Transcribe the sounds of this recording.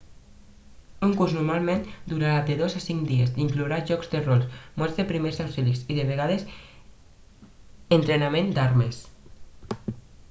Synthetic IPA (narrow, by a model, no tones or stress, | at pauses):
uŋkuɾznuɾmalˠmẽnd̪uɾaɾad̪eðozasiŋd̪iezd̪iŋkluɾaʒɔkzd̪erɔlˠsmɔɾzðepɾimezawfiliksiðeβeɣ̞aðes | ent̪ɾenamẽnd̪aɾmes